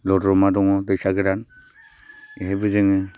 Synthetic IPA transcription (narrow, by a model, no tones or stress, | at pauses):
lɔdɾɔmadɔŋɔbesaɡɯɾan | ɦebɯzɯŋɯ